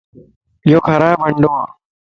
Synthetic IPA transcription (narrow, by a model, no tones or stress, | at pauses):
ɪjoːkʰəɾaːjbəɳɖoːa̰ː